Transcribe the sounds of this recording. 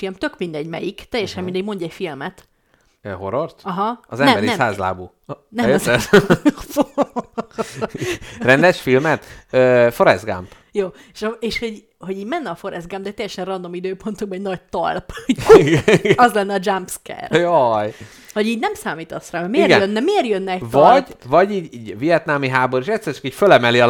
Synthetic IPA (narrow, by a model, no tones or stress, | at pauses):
ilmt̪økmind̪ɛɟmɛ̰jikt̪ɛjːɛʃɛmind̪ɛɟmo̞ɲɟɛcfilmɛt̪ | øɦoɾort̪ɒɦɒɒzɛnbmbɛɾiɛsa̰ːzla̰ːbuː | nɛjzɛ | fo | rɛnd̪ɛʃfilmɛt̪øːfoɾɛ̰zɡa̰mp | joː | ʃeːʃho̞ɟ | ho̞ɟiːɟmɛnːɛɒfo̞ɾɛzɡampd̪ɛt̪ɛjɛʃɛnrɒnd̪o̞mid̪øːpo̞nt̪uɡbɒɛɟnɒɟ̚t̪ɒ̰lpiɡɛɡɒzlɛnːɛɒd͡ʒampskɛ̰rjoj | ho̞ɟiːɟnɛmsaːmiːt̪ɒsraːɛmeiːrɡɛnønːɛmeːrjønːɛvɒɟvɒɟiːɟiːɟvijɛt̪namiɦaːboɾiʃɛt̪sːɛrt͡ʃɒ̥kiːcfølɛmɛliɒ